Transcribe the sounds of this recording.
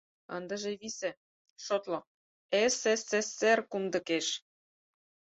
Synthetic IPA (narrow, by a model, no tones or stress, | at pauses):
ə̰nd̪ə̆ʒeβisĕ | ʃot̪lo | eseseserkumd̪ɤ̆keʃ